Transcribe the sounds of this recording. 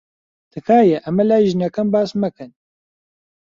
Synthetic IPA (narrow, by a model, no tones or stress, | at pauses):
t̪ʰɨkʰaːjɛʔɐmɛlaːjʒinɐkɐmbaːsmɐkɨn